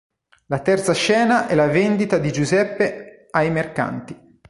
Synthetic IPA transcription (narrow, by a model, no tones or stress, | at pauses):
lat̪ɛrt̪saʃɛːnaʔɛlavend̪it̪ad̪id͡ʒuzɛpːe | ajmerka̰nt̪i